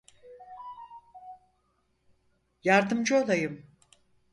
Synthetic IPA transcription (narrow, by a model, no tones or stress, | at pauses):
jaɾd̪ɯmd͡ʒɯo̞lˠajɯm